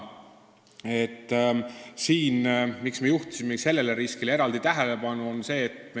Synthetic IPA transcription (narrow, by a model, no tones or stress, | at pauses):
e̞t̪ːˑsiːnmiksme̞juht̪u̥simese̞lːe̞le̞ɾiskilee̞ɾɑld̪it̪æɦelepɑnuo̞nse̞ːt̪ː